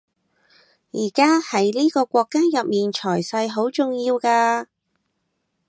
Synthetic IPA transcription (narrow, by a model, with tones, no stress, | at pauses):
jiː˨˩kaː˥hɐ˨˥jliː˥kɔː˧kʷɔː˧kːaː˥jɐ˨p̚miː˨nt͡ʃʰɔː˨˩jsɐ˧jɦo˨˥wt͡sʊ˨ŋjiː˧wkaː˧